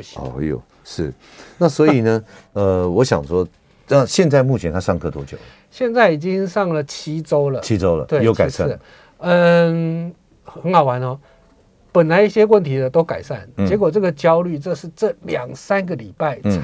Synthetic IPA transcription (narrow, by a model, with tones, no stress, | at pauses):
ɔ̰˥˩jo̰˨˩ | ʂɻ̩˥˩ | na˥˨swɔ˧˥i˨˩nə˩ə˧wɔ˨˦ɕjɑ̰˨˩ŋʂwɔ˦ | na˥˧ɕjɛ˥˧nt͡sa˥˧ɪmu˥˩t͡ɕʰjɛ˧˦nt̪ʰa˦ʂɑ˥˧ŋkʰɤ˥˩t̪ʰwɔ˥t͡ɕjo̰˨˩lə˦ | ɕjɛ˥˧nt͡sa˥˩ɪi˨˩t͡ɕi˦ŋʂɑ˥˩ŋlə˨t͡ɕʰi˥t͡so˥ʊlə˨t͡ɕʰi˦t͡so˦ʊlə̰˨t̪we˥˩jo˧˥ʊka˨˩ɪsa˥˨˥ | ə˧ | hə˧˦nxɑ˨˩ʊwa˧˦nɔ˧ | pə˨˩nla˧˦ɪi˥˩ɕjɛ˦˥wə˥˨nt̪ʰi˨˥d̪ə˧t̪o˥ʊka˨˩ɪsa˥˩nt͡ɕjɛ˧˥k̬wɔ˨˩ʈ͡ʂɤ˥˩ɡə˨t͡ɕjɑ˥˦ʊly˥˩ʈ͡ʂɤ˥˧ʂɻ̩˥˧ʈ͡ʂɤ˥˩ljɑ˨˩ŋsa˦nɡə˨li˨˩pa˥˩ɪ˩